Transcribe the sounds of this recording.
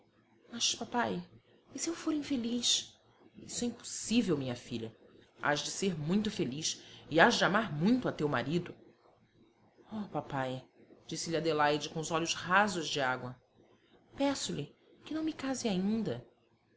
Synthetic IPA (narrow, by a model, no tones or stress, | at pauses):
mɐʃpapaj | ɪsɪewfoɾĩfeliʃ | ḭsʊɛĩpo̥sivewmĩɲɐfiʎɐa̰ʒd͡ʒɪseɾmũj̃t̪ʊfeliʃɪazd͡ʒɪamaɾmũj̃t̪ʊɐt̪ewma̰ɾid̪ʊ | ɔpapajd͡ʒisɪlɪad̪elajd͡ʒɪkõʊzɔʎʊshazʊzd͡ʒɪaɡwɐ | pɛsʊlɪ | kɪnɐ̃w̃mɪkazɪaĩnd̪ɐ